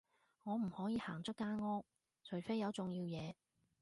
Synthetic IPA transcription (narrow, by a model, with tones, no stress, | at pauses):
ŋɔː˨˧m̩˨˩hɔː˨˥jiː˨˧haː˨˩ŋt͡sɵ˥kːaː˥nŋɔː˥k̚ | t͡ʃʰɵ˨˩ɥfe˥jɐ˨˧wt͡sʊ˨ŋjiː˧wjɛː˨˧